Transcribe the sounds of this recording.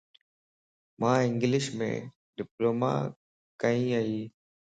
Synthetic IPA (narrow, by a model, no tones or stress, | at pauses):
mãːɪ̃ŋɡlɪʃmḛ̃ː | ɖɪploːma̰ː | kəĩːəiː